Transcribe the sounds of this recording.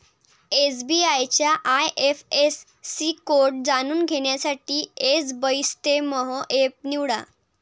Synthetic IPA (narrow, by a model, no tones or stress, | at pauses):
esbiajt͡ɕjaʔajʔefesː | iːkoɾʈ̚d͡zanuːnɡʱeɳjasaʈiːesbəjst̪eməɦɔʔep̚niwɽa̰